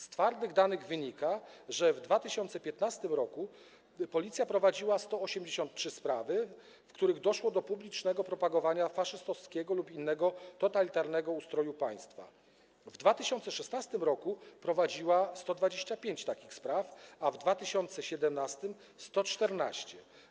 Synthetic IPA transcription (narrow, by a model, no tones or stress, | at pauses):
st̪faɾd̪ɘɣd̪anɘɣvɘɲikaʐɛvd̪vat̪ɘɕɔnt̪sɛpʲjɛt̪nast̪ɘmɾɔku | pɔlʲit̪sʲjapɾɔvad͡ʑiwast̪ɔɔɕɛmd͡ʑeɕɔnt̪̚tʂɘspɾavɘ | fkt̪uɾɘɣd̪ɔʂwɔd̪ɔpublʲit͡ʂnɛɡɔpɾɔpaɡɔvaɲafaʂɘst̪ɔfskʲɛɡɔlupinːɛɡɔt̪ɔt̪alʲit̪aɾnɛɡɔust̪ɾɔjupaj̃st̪fa̰ | vd̪vat̪ɘɕɔnt̪sɛʂɛsnast̪ɘmɾɔkupɾɔvad͡ʑiwast̪ɔd̪vad͡ʑeɕt͡ɕapʲjeɲt͡ɕt̪akʲixspɾafavd̪vat̪ɘɕɔnt̪sɛɕɛd̪ɛmnast̪ɘm | st̪ɔt͡ʂt̪ɛɾnaɕt͡ɕɛ